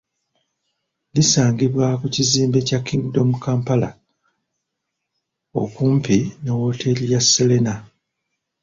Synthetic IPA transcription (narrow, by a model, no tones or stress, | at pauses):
lisaːŋɡiβwakuciziːmbe̞cakːiŋɡido̞mukaːmpala̰ | o̞̰kuːmpinewo̞tʰe̞lijasːele̞na